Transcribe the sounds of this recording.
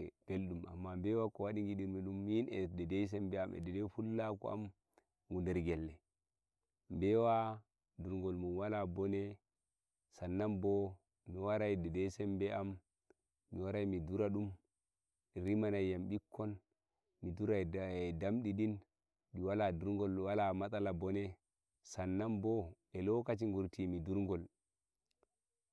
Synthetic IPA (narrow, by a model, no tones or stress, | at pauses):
b̥elɗuma̰mːambewakowaɗiŋɡiɗiɾmiɗumːinededejs̬ɛmbɛamḛdedefulːakɔ̰a̰m | ɡundɛɾɡelːɛ | mbewa | duɾŋɡolmunwalabone | sanːambo | miwaɾajidedesɛmbɛamː | iwaɾajmiduɾaɗum | ɛɾimanajamɓikʰːɔn | miduɾadamɗiɗin | ɗiwaladuɾŋɡɔlwalamatalabɔnɛ | sanːambɔ | ɛlɔkat͡ʃiŋɡuɾtimiduɾŋɡɔl